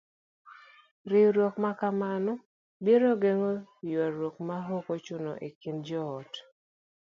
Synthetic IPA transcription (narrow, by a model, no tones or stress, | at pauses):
ɾɪɾwɔkmakamanɔ | beɾoɡeŋɔjwaɾwokmaɦokot͡ʃʊnɔ̰ʔekind͡ʒɔːt